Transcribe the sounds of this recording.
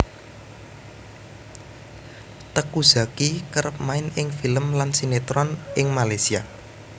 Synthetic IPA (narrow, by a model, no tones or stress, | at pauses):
t̪əkuz̥a̤kikəɾəp̚maɪnɪŋfiləmlansinet̪ɾɔnʔɪŋmalajsia